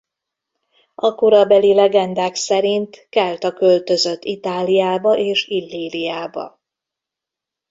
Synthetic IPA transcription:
ʔɒkoɾɒbɛlilɛɡɛnd̪aːksɛɾint̪kɛlt̪ɒkølt̪ø̞zø̞t̪ːit̪aːlijaːbɒʔeːʃilːiːlijaːbɒ̰

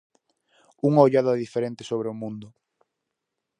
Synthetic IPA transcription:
uŋaoʎaðaðifeɾẽnt̪ɪ̥soβɾeʊmũnd̪ʊ

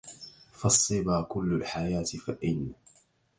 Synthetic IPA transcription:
fɑsˤːɨbaːkʊlːalħajaːt̪faʔɪnːa

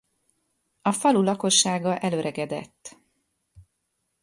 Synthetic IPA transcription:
ɒfɒlulɒko̞ʃːaːɡɒʔɛløɾɛɡɛd̪ɛ̰t̪ː

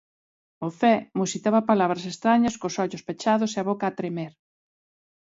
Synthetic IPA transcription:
ʊfɛmusit̪aβɐpalaβɾɐsest̪ɾaɲɐskʊsɔʎʊspet͡ʃaðʊseɐβokaːt̪ɾemeɾ

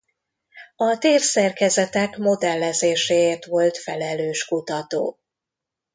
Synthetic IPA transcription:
ɒt̪eːrsɛrkɛzɛt̪ɛkmo̞d̪ɛlːɛzeːʃeːeːrt̪ʋo̞lt̪fɛlɛløːʃkut̪ɒt̪o̰ː

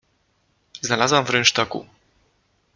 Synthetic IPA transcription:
znalazwamvɾɛnt͡ʂt̪akṵ

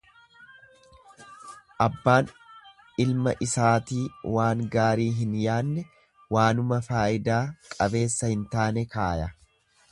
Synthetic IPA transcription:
ʔɐbːaːn | ɪlmɐʔɪsaːt̪iːwaːŋɡaːɾiːɦɪnjaːnːɛ | waːnʊmɐfaːʔɪd̪aːkʼɐbe̞ːsːɐhɪnt̪aːnɛkaːjɐ

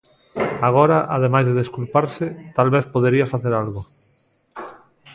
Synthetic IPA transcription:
aɣ̞oɾaʔaðemajzðeðeskulpaɾsɪt̪alβeθpoðeɾiɐfaθeɾalɣo

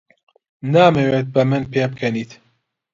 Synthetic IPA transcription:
naːmewet̪̚bɨmɨnpʰeːb̚kʰɐniːt̪

